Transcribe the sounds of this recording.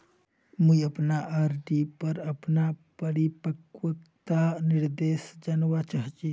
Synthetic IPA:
muiɐpnaʔaɾɖipɐɾɐpnapəɽipəkwət̪anɪɾd̪eːsd͡ʒanwat͡ʃaɦt͡ʃi

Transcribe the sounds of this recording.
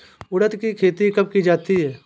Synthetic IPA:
ʊɽət̪kikʰeːt̪ikɐb̚kid͡ʒaːt̪iɦɛː

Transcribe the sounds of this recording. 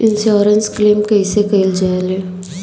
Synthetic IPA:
ɪnʃjɔːɾənskleːmkɐisekɐɪld͡ʒaːeleː

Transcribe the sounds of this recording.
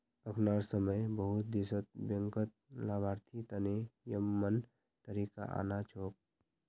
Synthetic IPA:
əkʰnaːɾsəməjbəɦʊt̪̚d̪isət̪̚bjə̃ŋkət̪̚laːbʱaːɾt̪ʰit̪ənejəmːən | t̪əɾika̰ʔa̰ːnat͡ʃʰoːk̚

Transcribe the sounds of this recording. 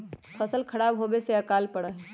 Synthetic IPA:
pʰəsəlkʰɐɽaːbɦoːbeseɐkaːlpɐɽaːɦe

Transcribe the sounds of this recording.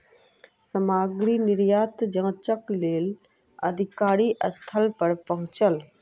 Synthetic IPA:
səmaːɡɾinɪɾjaːt̪d͡ʒə̃t͡ʃəkleːl | ə̰d̪ʱɪkaːɾiʔəst̪ʰəlpəɾpɐɦʊ̃t͡ʃəl

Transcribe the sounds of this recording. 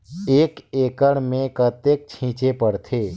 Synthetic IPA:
eːkeːkəɽmẽkət̪eːk̚t͡ʃʰĩːt͡ʃepəɽt̪ʰeː

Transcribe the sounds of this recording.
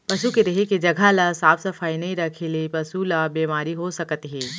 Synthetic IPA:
pɐsukeɾɐɦeked͡ʒɐɡʱalasaːfʰsɐfaːinɐɦĩɾɐkʰeːlepɐsulabeːmaːɾiɦosɐkt̪iɦɛː

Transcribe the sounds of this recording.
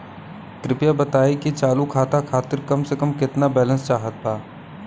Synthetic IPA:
kɾɪpjabɐt̪aːikit͡ʃaːlukʰaːt̪akʰaːt̪ɪɾkɐmsekəmkɪt̪nabɛːlə̃nst͡ʃaːɦət̪ːaː

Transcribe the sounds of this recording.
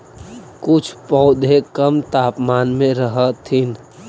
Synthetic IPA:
kʊt͡ʃʰpɔːd̪ʱekəmt̪aːpmaːnmẽɾəɦət̪ːin

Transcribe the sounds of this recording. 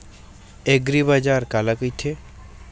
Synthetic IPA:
eɡɾibad͡ʒaːɾkalakəjt̪ʰe

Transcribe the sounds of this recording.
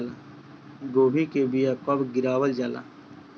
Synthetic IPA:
la | ɡoːbikebijakɐbɡɪɾaːwəld͡ʒaːla̰ː

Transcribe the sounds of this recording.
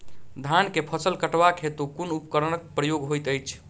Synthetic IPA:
d̪ʱankepʰəsəlkəʈbakɦet̪ukunupkəɾənək̚pɾəjoɡɦojt̪əjt͡ʃʰ

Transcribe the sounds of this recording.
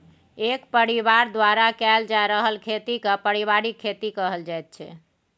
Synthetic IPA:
ekpəɾiβaɾd̪waɾakɛld͡ʒaɾəɦəlkʰet̪ikəpəɾiβaɾikʰːet̪ikəɦəld͡ʒajt̪̚t͡ʃʰɛ̰

